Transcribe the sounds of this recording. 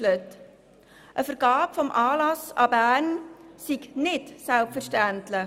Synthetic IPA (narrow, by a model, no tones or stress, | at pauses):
lət | ʔəfəɾɡ̥ɑːpfɔmʔɑːlɑsɑ̰bæːɾnsiɡnɪtsælpfəɾʃtæntlɪ